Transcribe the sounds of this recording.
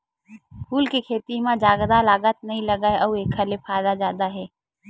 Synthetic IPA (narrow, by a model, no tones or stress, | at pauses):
pʰuːlkekʰeːt̪imãd͡ʒaːɡd̪alaːɡət̪̚nɐɦĩlɐɡaeʔɐueːkʰːəlepʰaːd̪azjaːd̪aɦɛː